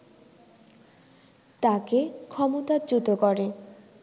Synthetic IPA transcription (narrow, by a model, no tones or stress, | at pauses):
t̪akekʰɔmot̪ad͡ʑut̪okɔɾe